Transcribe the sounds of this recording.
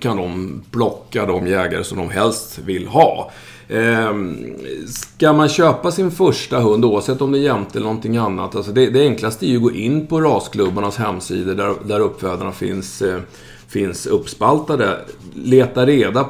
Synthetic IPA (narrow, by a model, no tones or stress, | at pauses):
kʰand̪ɔmb̥lɔkːad̪ɔmjɛːɡa̰ɾə̰sɔmd̪ɔmɦɛlst̪vɪlːɦɑ̰ː | skamanɕøːpasɪnfœʂʈaɦɵnd̪uːvavsɛt̪ːɔmd̪ɛjɛmt̪ʰəɛlənɔnt̪ʰɪŋːanːa̰t̪ːalsɔd̪ɛd̪ɛɛŋklast̪əæɾjɵɡoːʔɪnːpʰɔɾɑːskʰlɵbːaɳashɛmːsiːd̪əɖæɾd̪æɾɵpːfɛːd̪aɳafɪ̰ns | fɪnsɵpːspalt̪ad̪əleːt̪aɾeːd̪a